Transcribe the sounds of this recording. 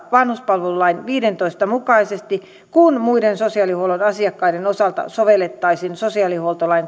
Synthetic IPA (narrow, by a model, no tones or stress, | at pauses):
ʋɑnhuspɑlʋelulɑinʋiːdent̪oist̪ɑmukɑisest̪i | kunmuidensosiɑˑlihuolonɑsiɑkːɑidenosɑlt̪ɑ̰soʋelet̪ːɑisinsosiɑliholt̪olɑiŋ